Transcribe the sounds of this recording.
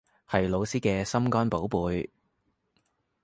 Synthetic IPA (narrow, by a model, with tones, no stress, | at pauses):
hɐ˨jlo˨˧wsiː˥kɛː˧sɐ˥mkɔː˥npo˨˥wpuː˨˧j